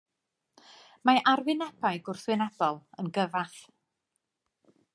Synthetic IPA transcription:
maʔarvɪnɛbajɡʊrθwɪnɛb̥ɔlˠənɡəvaθ

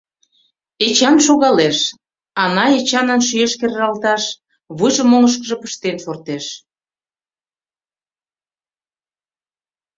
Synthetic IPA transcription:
et͡ɕɑnʃoɣɑleʃ | ɑnɑet͡ɕɑnənʃyeʃkerːɑlt̪ɑʃ | βɨjʒə̆moləʃ̬kəʒə̆pə̥ʃt̪enfort̪eʃ

